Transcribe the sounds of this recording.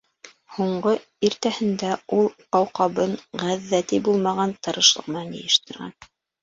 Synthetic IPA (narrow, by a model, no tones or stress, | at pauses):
huɴɢɤ | iɾt̪æhɘ̆nd̪æulˠ | ɑwqɑβɤɴʁæðːæt̪ibulˠmɑʁɑnt̪ɤ̆ɾɤ̆ʃlˠɤ̰̆ʁmɑnɘ̰̆jɘ̆ʃt̪ɘ̆ɾɣæ̰n